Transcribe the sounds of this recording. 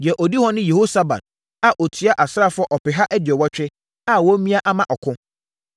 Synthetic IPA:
dɪ˨ɛ˨ʔɔ˨di˦hɔ̃˦nɪ̃˦je˨ho˦sa˦ba̰˨d̥̚ | a˨ʔɔ˨tʰi˨˦a˦ʔa˨sɾa˦˨fʊ˦ɔ˦ʔɔ˨pɪ˨ɦa˦ʔæ˦dɥɛ˨wɔ˦t͡ɕᶣɪ˦ | a˨wɔ˦mĩ˦a˦ʔa˦mã˦ʔɔ˨kʰʊ̃˦

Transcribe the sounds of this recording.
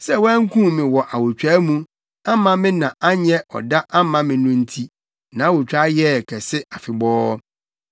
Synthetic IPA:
sɛ˦wɛ˦ŋ̩˦kʰũ˦mɪ̃˨wɔ˨ʔa˨wo˨t͡ɕᶣa˦mũ˦ | a˦mã˦mɪ̃˦nã˨ʔa˦ɲɛ˦ʔɔ̰˨da˦ʔa˦mã˦mɪ̃˨nũ˦n̩˦tʰi˦ | nã˨˦wo˨t͡ɕᶣɾa˦jɛ˦˨kʰɛ˨sɪ˦ʔa˨fɪ˨bɔː˦

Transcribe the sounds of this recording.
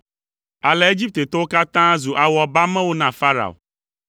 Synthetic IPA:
a˨lɛ˨e˦d͡ʒi˦p̚t̪e˨t̪o˦wo˦ka˦t̪ã˦zu˨ʔa˨wɔ˨ba˦mɛ̃˦wo˦nã˦˨fa˦ɾa̰˨o̰˨

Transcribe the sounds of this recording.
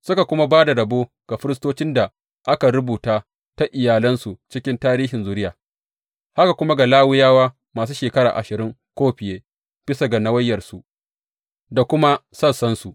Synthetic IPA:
sʊ˦ka˨kʷʊ˦ma˦baː˦da˨ɽɐ˨boː˦ | ɡ̥a˨ɸɪ˦ɾɪ˦s̬toː˦t͡ʃɪ˦nda˨ | ʔa˦ka˨ɾʊ˦buː˨taː˦ | ta˦ʔɪ˨jaː˨lɐ˦nsu˨t͡ʃɪ˦kʲɪ˦ntaː˦ɾiː˦ɦɪ˨nzuː˦ɾɪ˦jaː˨ | ha˦ka˨kʷʊ˦ma˦ɡa˨laː˦wʊ˦jaː˦waː˦ | maː˨s̬uː˦ʃeː˨kɐ˦ɾa̰˨ʔa̰˨ʃɪ˨ɾɪ˦ŋkʷoː˦ɸɪ˨jeː˦ | ɸɪ˦sɐ˨ɡa˨na˦wɐ˦jːɐ˨rsu˨ʔ | da˨kʷʊ˦ma˦sɐ˦sɐ˦nsu˨ʔ

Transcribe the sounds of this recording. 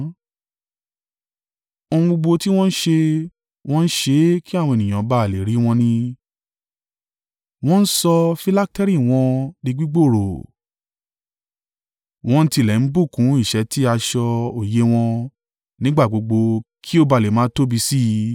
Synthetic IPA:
o˧ũ˧ɡ͡bo˧ɡ͡bo˧ti˦w̃ɔ̃˦n̩˦ʃe˧ | w̃ɔ̃˦n̩˦ʃe˧˦ki˦a˦˨w̃ɔ̃˧e˨nĩ˨ã˨˦ba˦˨le˨ɾi˨˦w̃ɔ̃˧nĩ˧ | w̃ɔ̃˦n̩˦sɔ˧fi˧la˦k̚tɛ˦ɾi˦˨w̃ɔ̃˧di˧ɡ͡bi˦ɡ͡bo˦˨ɾo˨ | w̃ɔ̃˧n̩˦ti˧˨lɛ˨n̩˦bu˦˨kũ˨˦i˦˨ʃɛ˨˧˦ti˦a˧ʃɔ˧o˨je˨˦w̃ɔ̃˧ | nĩ˦ɡ͡ba˦˨ɡ͡bo˧ɡ͡bo˧kʰi˦o˦˨ba˧˨le˨mãː˦to˦bi˧si˦˧

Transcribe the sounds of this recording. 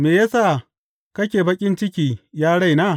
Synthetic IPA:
meː˨ja˦saː˦˨ | kɐ˦kʲeː˨bɐ˦kʲʼɪ˦nt͡ʃɪ˦kʲiː˨jaː˦ɽa˦˨jnaː˦˨

